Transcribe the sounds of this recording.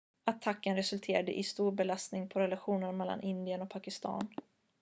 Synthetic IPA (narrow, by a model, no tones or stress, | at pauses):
at̪ʰːakːənɾɛsɵlt̪ʰeːɾad̪ə̰ʔɪst̪uːɾbɛlast̪nɪŋpʰɔɾɛlaɧuːnənmɛlːa̰nʔɪnd̪ɪənɔk̚pʰakɪst̪ʰɑ̰ːn